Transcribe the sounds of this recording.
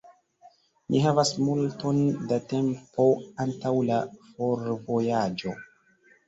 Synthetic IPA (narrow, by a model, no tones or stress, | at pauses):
nʔiɦavasmulto̞ndate̞mpo̞antawlafo̞ɾvo̞jad͡ʒo̞